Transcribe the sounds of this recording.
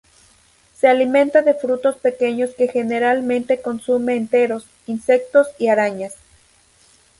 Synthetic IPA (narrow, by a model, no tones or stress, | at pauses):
se̞alimẽ̞nt̪aðe̞fɾut̪o̞spe̞ke̞ɲo̞ske̞xe̞ne̞ɾalmẽ̞nt̪e̞ko̞nsumeːnt̪e̞ɾo̞s | inse̞k̚t̪o̞siaɾaɲas